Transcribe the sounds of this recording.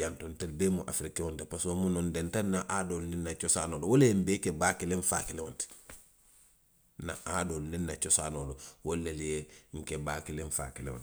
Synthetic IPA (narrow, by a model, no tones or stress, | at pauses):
jantontalbemuʔa̰fɾikewontipasomunondentannaʔadolninːat͡ʃosaːnoːlowolembekebakileɱfa̰kilewonti̥ | na̰ʔadolninːat͡ʃosaːnoːlowolːeljeŋkebakileɱfa̰kilḛo̰nt